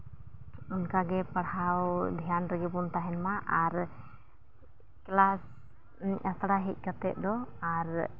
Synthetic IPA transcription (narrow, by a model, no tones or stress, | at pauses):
unkaɡɛpaɽawd̪ʱijanɾəɡɛbunt̪aɦɛnmaʔaɾ | klas | asɽaɦic̚ˀkat̪ɛʔ̪̚ˀd̪ɔaɾ